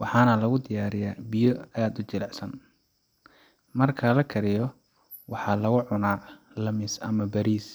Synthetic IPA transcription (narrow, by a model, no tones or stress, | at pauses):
wɑħɑːnɐlɐɣʊd̪ɪjaːɾɪjabɪjɔaːd̪ʊt͡ʃɪlɛʕsɐn | mɐrkʰɐlɐkʰɐɾɪjɔ | wɑħɑːlɐɣʊʕʊnaː | lɐmɪsɐ̰mɐbɐɾiːs